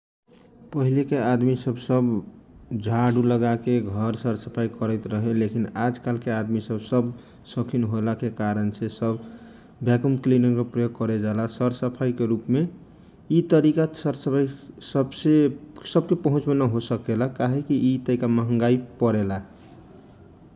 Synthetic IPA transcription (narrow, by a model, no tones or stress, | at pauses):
pəɦilekead̪misəbsəb | d͡ʒʱaɖuləɡakeɡʱəɾsəɾsəpʰaikəɾəɪt̪ɾəɦelekinad͡ʒkalkead̪misəbsəb | səkʰinɦolakekaɾənsesəb | bjakəmklinəŋkepɾəjoɡ̚kəɾed͡ʒalasəɾsəpʰaikeɾupme | it̪əɾikasəɾsəpʰaisəbsesəb̚kepəɦũt͡ʃmenəɦosəkelakaɦekiːt̪əɾikaməɦə̃ŋɡaipəɾela